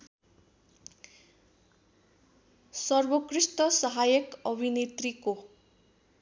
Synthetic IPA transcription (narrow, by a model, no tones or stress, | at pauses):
sʌrbʌkrisʈʌsʌɦajʌkʌbʱinet̪riko